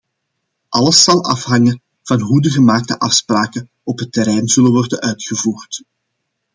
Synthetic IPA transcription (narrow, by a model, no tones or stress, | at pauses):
ʔɑləsɑlˠɑfɦɑŋə | v̥ɑnɦudəɣəmaːk̚təʔɑfspraːkə | ɔpɦətːɛɾɛjnz̥ɵlənʋɔrdənœɥtxəvuːrt